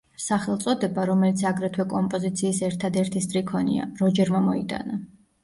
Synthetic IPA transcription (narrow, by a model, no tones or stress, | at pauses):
saχɛlˠt̪sʼɔd̪ɛbaɾɔmɛlit̪sʰaɡɾɛt̪ʰwɛkʼɔmpʼɔzit̪sʰiːsɛɾt̪ʰad̪ɛɾt̪ʰist̪ʼɾikʰɔnḭa̰ɾɔd͡ʒɛɾmamɔit̪ʼa̰na